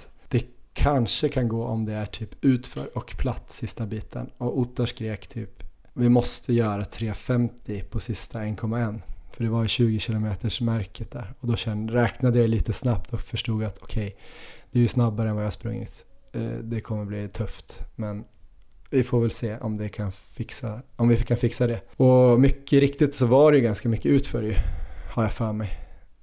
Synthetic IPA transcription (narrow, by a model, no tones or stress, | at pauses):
d̪̥ɛkʰanʂəkʰanɡoːʔɔmd̪ɛæʈʰyːpʉ̟ːt̪fœ̰ːɾɔkpʰlat̪ːsɪst̪abiːt̪ʰə̰nɔʊt̪ːəʂkɾeːkt̪ʰy̰ːp | vɪmɔst̪ʰəjœːɾat̪ʰɾeːfɛmt̪ʰɪpʰɔsɪst̪ʰaɛnkʰɔmːaɛnːfœɖɛvajʏɕʉ̟ːɡɪɕɪlʊmeːt̪əʂmæɾkʰət̪̚d̪æ̰ɾɔd̪ɔɕɛnɾɛːknad̪əjajliːt̪əsnap̚t̪ʰɔfœʂʈuːɡat̪ʰɔkʰɛjd̪̥ɛæɾjɵsnabːaɾəɛnvajahaspɾɵ̰ŋːɪ̰t̪d̪ɛkʰɔmːəbliːt̪ʰɵft̪mɛn | vɪfoːɾvɛlseːʔɔmd̪ɛkʰanfɪksaɔmvɪkʰːanfɪksad̪ɛɔmʏkːəɪɾɪkt̪ɪt̪sɔvaɖɛjɵɡanskamʏkːəʉ̟ːt̪fœ̰ːɾjɵhaɾjafœːɾmɛj